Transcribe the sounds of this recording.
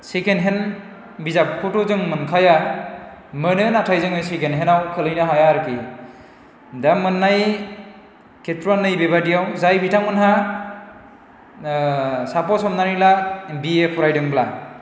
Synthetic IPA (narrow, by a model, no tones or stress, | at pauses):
sekʰenɦen | bizap̚kʰutuzɯŋmɯnkʰaja | mɯnɯnatʰajzɯŋɯsekʰenɦenawkʰɯlɯjnɯɦajaɾɯki | damːɯnːaj | kʰetɾanɯjbeβadijawzajbitʰaŋmɯnɦa | sapɔsɔmnanilabiekʰɔɾajdɯŋbla